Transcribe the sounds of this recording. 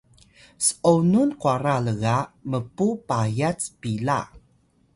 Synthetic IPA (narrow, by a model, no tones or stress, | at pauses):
sə̥ʔonunkuaɾaləɣaʔməpupajat͡spila̰